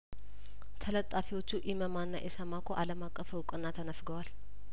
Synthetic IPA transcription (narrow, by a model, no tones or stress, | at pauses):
t̪ʰələt̪ʼːafiwo̞t͡ʃːuʔiməmanːa̰ʔɛsəmakʰoʔaləmakʼːəfwʊkʼɨnːat̪ʰənəfɡəwal